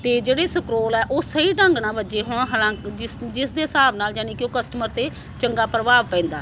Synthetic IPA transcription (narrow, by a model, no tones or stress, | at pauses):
t̪eːd͡ʒeːɽeːsəkɾoːlɛːʔoːsəiːʈə̃ŋɡnãːbəd͡ʒeːɦoːɳɦalãːkɪsd͡ʒɪsd̪eːsaːbnaːld͡ʒaːniːkɪoːkəsʈəməɾt̪eː | t͡ʃəŋɡaːpɾəʋaːʋpɛ̃ːnd̪aː